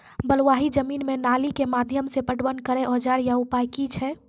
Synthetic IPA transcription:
bəlwaɦid͡ʒəmiːnmenalikemad̪ʱjəmsepəʈwənkəɾeʔɔd͡ʒaɾjaupajkit͡ʃʰɛ

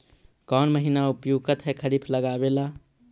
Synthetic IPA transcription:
kɔːnməɦinaupjuɡkət̪ʰɦɛkʰəɾipʰləɡabela

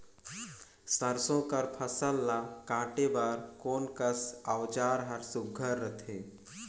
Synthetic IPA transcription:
səɾsõkɐɾpʰɐsəlːakãːʈebaːɾkoːnkəsawt͡ʃaːɾɦɐɾsʊɡʱːəɾːət̪ʰeː

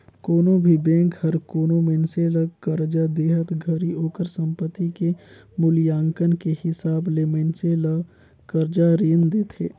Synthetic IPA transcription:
koːnõbʱibẽːŋkhəɾkoːnõmenseləkəɾd͡ʒad̪eːɦət̪ɡʱəɾioːkəɾsə̃mpət̪ːike | mʊljãːŋkənkehɪsaːbleːmenselə | kəɾd͡ʒaɾeːnd̪eːt̪ʰḛː

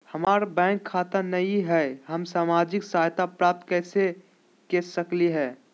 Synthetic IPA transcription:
hɐmaːɾbɛ̃ːŋkʰːaːt̪anɐiɦɛːɦəmsaːmaːd͡ʒɪksaːɦjt̪apɾaːp̚t̪kɛːse | kesəkliɦɛː

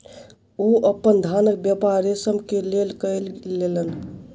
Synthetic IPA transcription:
oəpːənd̪ʱanək̚bjəpaɾesəbkelelkəjllelən

